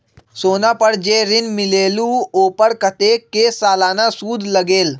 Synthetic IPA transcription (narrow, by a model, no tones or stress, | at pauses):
soːnaːpəɽd͡ʒeːɾɪnmɪleːluoːpəɾkət̪eːkeːsaːlaːnasuːd̪ʱlɐɡeːl